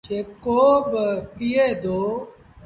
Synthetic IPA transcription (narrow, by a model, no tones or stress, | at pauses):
d͡ʒeːkoːbpiːeːd̪oː